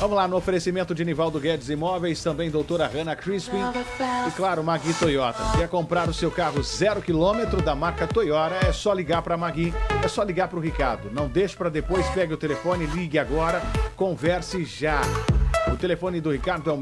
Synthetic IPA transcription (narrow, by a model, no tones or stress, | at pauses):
vɐ̃mʊlanʊofeɾesimẽnt̪ʊd͡ʒɪanivawd̪ʊɡɛd͡ʒɪzimɔvejst̪ɐ̃mbẽj̃d̪owt̪oɾɐʁɐ̃nɐkɾispĩɪklaɾʊmaɡĩt̪ojɔt̪ɐ̰kɛɾkõmpɾaɾʊsewkaɦʊzɛɾʊkilõmet̪ɾʊd̪ɐmaɾkɐt̪ojɔɾɐɛsɔliɡaɾpɾɐmaɡĩɛsɔliɡaɾpɾʊɦikaɾd̪ʊnɐ̃w̃d̪eʃɪ̥pɾɐd̪epojspɛɡɪʊt̪elefõnɪliɡɪaɡɔɾɐkõvɛɾsɪʒa | ʊt̪elefõnɪd̪ʊhikaɾd̪ʊɛw